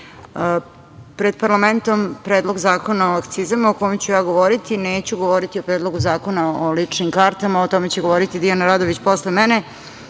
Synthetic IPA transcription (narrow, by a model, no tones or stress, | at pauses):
pɾe̞d̪̚paɾlˠame̞nt̪o̞mpɾeːd̪lˠo̞ɡzaːko̞naoakt̪sizamokojmt͡ɕujaːɡoʋoɾit̪ineːt͡ɕuɡo̞ʋoɾit̪io̞pɾeːd̪lˠoɡuzaːko̞naolit͡ʂnimkaɾt̪amaot̪o̞me̞t͡ɕeɡo̞ʋoɾit̪id̪ianaɾaːd̪oʋit͡ɕpo̞slemene